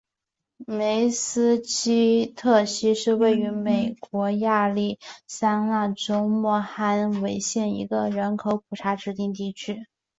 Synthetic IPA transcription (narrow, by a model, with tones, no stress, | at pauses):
me˧˥ɪsɹ̩˥t͡ɕʰi˥t̪ʰɤ˥˩ɕi˥ʂɻ̩˥˧we˥˩ɪy˧˥me˨˩ɪkwɔ˧˥ja˥˧li˥˩sa˥ŋna˥˩ʈ͡ʂo˥ʊmwɔ˥˩xa˥nwe˧˥ɪɕjɛ˥˩nḭ˧˥ɡə˧ɻə˧˥nkʰo˧˥ʊpʰu˨˩ʈ͡ʂʰa˧˥ʈ͡ʂɻ̩˧˥t̪i˥˧ŋt̪i˥˩t͡ɕʰy˥